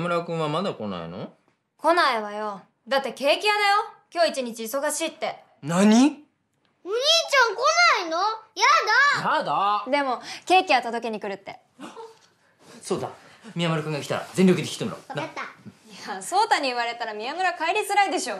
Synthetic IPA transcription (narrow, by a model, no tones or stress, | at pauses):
mɯ̟ɾakɯ̟̃ɰ̃βamad̪ako̞na̰ḭno̞̰ | ko̞naiβajo̞ | d̪at̪ːe̞ke̞ːkʲijad̪ajo̞kʲo̞ːit͡ɕiɲ̟it͡ɕiːso̞ɡaɕiːt̪ːe̞ | naɲ̟i | mɯ̟ɲiːt͡ɕãŋko̞nainojad̪ajad̪ad̪e̞mo̞ke̞ːkʲiβat̪od̪o̞k̬e̞ɲ̟ikɯ̟ɾɯ̟t̪ːe̞ | so̞ːd̪a | mʲijamɯ̟ɾakɯ̟ŋɡakʲi̥t̪a̰ɾa̰zẽnʲɾʲokɯd̪ekʲi̥t̪ːemɯɾo̰najaso̞ːt̪aɲ̟iɯβaɾe̞t̪aɾamʲiamɯ̟ɾakaiɾʲisɨɾaid̪e̞ɕo̞ː